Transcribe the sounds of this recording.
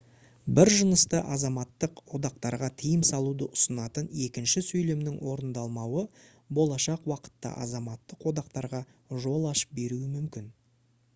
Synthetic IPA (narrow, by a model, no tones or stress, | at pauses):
bɪɾʒənəst̪əʔɑzɑmɑt̪ːəqwo̞d̪ɑqt̪ɑɾʁɑt̪ʰijɪmsɑlˠud̪əʔʊsənɑt̪əne̞kʲɪnʃɪsɵjle̞mnɪŋwo̞ɾənd̪ɑlˠmɑwə | bo̞lˠɑʃɑqwɑqə̥t̪ːɑ̰ʔɑ̰zɑmɑt̪ːəqwo̞d̪ɑqt̪ɑɾʁɑ | ʒo̞lˠɑʃə̥p̚be̞ɾuwɪmʏmkʲɪn